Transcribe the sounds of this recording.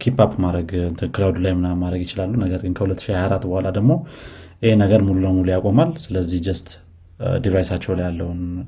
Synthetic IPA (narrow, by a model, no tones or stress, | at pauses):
kʰipapmaɾəɡɨnt̪ʰɨnkʰɨlawd̪ulajɪmnamadɾəɡjɪt͡ʃɪlalːunəɡəɾɡɨnkʰəhulət̪ːɨʃihajaɾat̪ːbəhalad̪əɡmo̞jɪhenəɡəɾmulunəwmulujakʼomalsɨləzːihd͡ʒɛst̪ʼ | d̪ivajsat͡ʃːɛwlajalːəwn